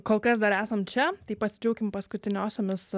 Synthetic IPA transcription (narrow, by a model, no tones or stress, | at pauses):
koːlˠkɐs̬d̪ɐɾæːsɐmt͡ʃʲɛt̪ɐɪpɐsʲɪd͡ʒʲɛʊkʲɪmpɐskʊt̪ʲɪnʲoːsʲoːmʲɪs